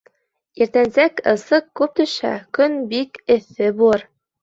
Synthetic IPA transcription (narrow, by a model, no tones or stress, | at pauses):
iɾt̪ænsækɤ̆sɤqːʉp̚t̪ɵ̆ʃæ̰kɵnbikɘ̆θɘbuɤɾ